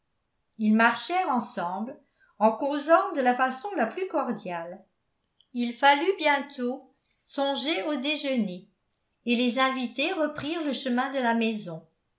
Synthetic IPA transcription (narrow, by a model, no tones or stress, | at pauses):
ilmaʁʃɛʁɑ̃sɑ̃bl | ɑ̃kozɑ̃d̪əlafasɔ̃laplykɔʁd̪jal | ilfalybjɛ̃t̪ʰo | sɔ̃ʒeod̪eʒəneː | lezɛ̃vit̪eʁəpχiːʁləʃəmɛ̃d̪əlamɛzɔ̃